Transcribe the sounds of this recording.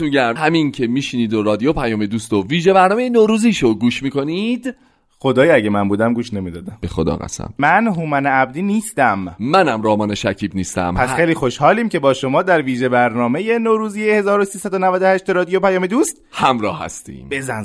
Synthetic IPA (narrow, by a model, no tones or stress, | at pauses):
miɟæhæmincʰe̞miːʃiniːd̪oɾɒːd̪ijopʰæjɒːme̞d̪uːst̪oviːʒe̞bæɾnɒːmejenoɾuːziːʃoɡuːʃmiːko̞nid̪ | xod̪ɒːjæɟemænbuːd̪æmɡuːʃne̞miːd̪ɒːd̪æmb̥exo̰d̪ɒ̰ːɣæ̰sæ̰mːænɦumæneæb̚d̪iːniːst̪æmːænæmɾɒːmɒːne̞ʃæcʰiːbniːst̪æ̰mpʰæsxejliːxo̞ʃhɒːliːmce̞bɒːʃo̞mɒːd̪æɾviːʒebæɾnɒːme̞jenoːɾuːziːjehe̞zɒːɾosiːsæd̪onævæd̪o̞hæʃt̪eɾɒːd̪ijopʰæjɒːmed̪uːst̪̚hæmɾɒ̰ːhæ̰st̪ḭːmb̥ezæn